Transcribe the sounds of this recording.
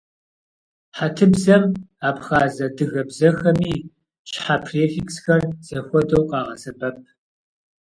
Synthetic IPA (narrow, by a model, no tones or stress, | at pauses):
ħatʰɨbzɐmaːpxaːzɐdɨɣɐbzɐxɐmiː | ʃħapʰreːfiksxɐrz̥ɐxʷɔdɐwqʼɑːʁɐsɐbɐp̚ʰ